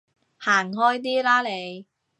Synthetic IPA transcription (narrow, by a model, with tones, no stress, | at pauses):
haː˨˩ŋɦɔː˥jt̪̬iː˥laː˥le˨˧j